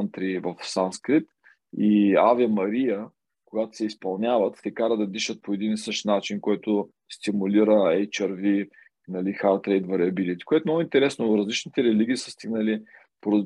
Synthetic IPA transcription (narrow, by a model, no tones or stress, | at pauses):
nt̪ɾivɐfsanskɾipt̪ | iaviəmɐɾiə | koɡat̪o̥sɛispɐlˠnʲavət̪t̪ɛkaɾəd̪ɐd̪iʃət̪̚poɛd̪inisɤʃt̪nat͡ʃinkɔjt̪ʊ | st̪imuliɾəɛjt͡ʃɐɾvi | nɐlixaɾt̪ɾɛjd̪vɐɾiɐbilit̪ʲi̥koɛt̪omnɔɡʊint̪ɛɾɛsnoɾɐzlit͡ʃnit̪ɛɾɛliɡʲiːsəst̪iɡnəli | poɾəz